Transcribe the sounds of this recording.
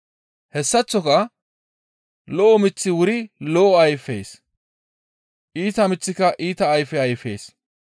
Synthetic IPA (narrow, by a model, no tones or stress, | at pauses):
hɛsːɐt͡sːɔkɐ | lɔʔɔmɪt͡sːɪwʊɾɪlɔʔɔɐjfːḛːs | ʔiːt̪ɐmɪt͡sːɪkɐʔiːt̪ɐːjfɛɐjfe̞̰ːs